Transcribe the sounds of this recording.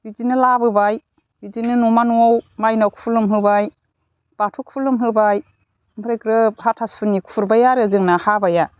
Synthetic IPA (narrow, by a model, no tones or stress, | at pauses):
bizinɯlabɯbaj | bizinɯnumanuɔwmajnɔkʰpʰulumɦɯbaj | b̥atʰukpʰulumɦɯbaj | mɯɾekɾɯhatʰaspʰɯnikʰfʰuɾbajaɾɯzɯŋnahabaja